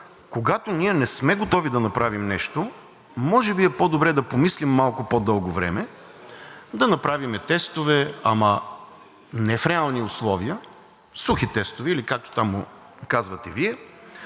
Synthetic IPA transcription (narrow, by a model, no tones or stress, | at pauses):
koɡat̪onʲiɛnɛsmɛɡot̪ɔvid̪ɐnɐpɾavimnɛʃt̪o | mɔʒɛbiɛpod̪obɾɛd̪ɐpomislimːalˠkʊpoɔd̪ɤlˠɡovɾɛ̰mɛ | d̪ɐnɐpɾavimɛt̪ɛst̪ovɛɐ̰mɐ | nɛfɾɛalˠniʊslˠɔviə | suxit̪ɛst̪ʊviːlikak̚t̪o̥t̪amʊ | kazvɐt̪ɛviɛ